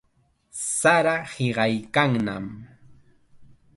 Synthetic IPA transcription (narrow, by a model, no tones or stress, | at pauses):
saɾahɪɢɑjkaŋna̰m